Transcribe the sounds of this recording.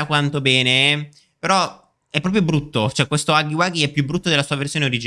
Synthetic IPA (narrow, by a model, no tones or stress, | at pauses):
akwant̪obɛːneɛ | peɾɔ | ɛpːɾɔːp̬ɾjobɾut̪ːot͡ʃɛkːwest̪oaɡiwaɡiɛpːjubːɾut̪ːod̪elasuːaversjoːneoɾid͡ʒ